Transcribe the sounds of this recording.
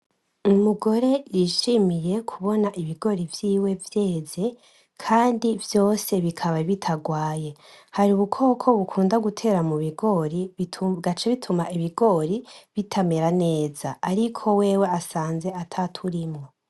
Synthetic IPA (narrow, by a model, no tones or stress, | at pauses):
umuɡo̞ɾe̞jiʃimije̞kʰuβo̞naʔiβiɡo̞ɾivjiːwe̞vje̞ːze̞ | kʰaːndivjo̞ːse̞βikʰaβaβitʰaɡwaːje̞haɾiuβukʰo̞ːkʰo̞βukʰuːndaɡutʰe̞ɾamuβiɡo̞ɾiɡat͡ʃeβitʰumaʔiβiɡo̞ɾiβitʰame̞ɾane̞ːz̥aːɾikʰo̞we̞ːwe̞asaːnze̞atʰatʰuɾimŋo̞